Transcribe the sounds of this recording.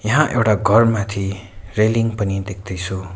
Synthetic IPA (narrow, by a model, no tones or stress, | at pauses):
jʌɦãʔewʈaɡʱʌrmat̪ʰireliŋpʌnid̪ekʰd̪ʌjt͡sʰu